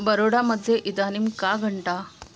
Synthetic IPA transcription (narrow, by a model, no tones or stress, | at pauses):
bəɾoɽaməd̪ʱːeʔid̪animkaɡʱəɳʈa